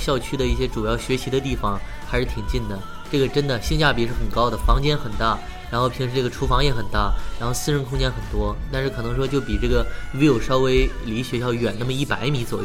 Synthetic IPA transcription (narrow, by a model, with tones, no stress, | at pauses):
ɕjɑ˥˧ʊt͡ɕʰy˥d̪ə˧i˥˩ɕjɛ˥ʈ͡ʂu˨˩jɑ˥˩ʊɕɥɛ˧˥ɕi˧˥d̪ə˧t̪i˥˩fɑ˩ŋ | xa˧˥ɪʂɻ̩˥˧˩t̪ʰi˨˩ŋt͡ɕi˥˩nd̪ə˩ | ʈ͡ʂɤ˥˩ɡə˩ʈ͡ʂə˥nd̪ə˨ɕi˥˧ŋt͡ɕja˥˩pi˨˩ʂɻ̩˥˩xə˨˩nkɑ˥ʊd̪ə˨fɑ˧˥ŋt͡ɕjɛ˥nxə˨˩nt̪a˥˩ | ɻa˧˥nxo˥˩ʊpʰi˧˥ŋʂɻ̩˧˥ʈ͡ʂɤ˥˩ɡə˩ʈ͡ʂʰu˧˥fɑ˧˥ŋjɛ˧˥xə˨˩nt̪a˥˩ɻa˧˥xo˥˧ʊsɹ̩˥˧ɻə˥nkʰʊ˥ŋt͡ɕjɛ˥nxə˨˩nt̪wɔ˥t̪a˥˧nʂɻ̩˥˩kʰɤ˨˩nɤ˧˥ŋʂ̬wɔ˥t͡ɕjo˥˩ʊpi˨˩ʈ͡ʂɤ˥˩ɡə˩wɛ˧˥jo˨˩ʊʂɑ˥ʊwe˧˥ɪli˧˥ɕɥɛ˧˥ɕjɑ˥˩ʊɥɛ˨˩na˥˩mə˩i˥˩pa˨˧˥ɪmi˧˥t͡swɔ˨˩